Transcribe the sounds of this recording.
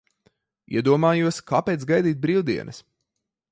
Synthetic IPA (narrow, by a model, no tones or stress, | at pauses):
ḭɛd̪uɔmaːjuɔskaːpeːt̪sɡajd̪iːt̪̚bɾiːwd̪iɛnʔɐ̰s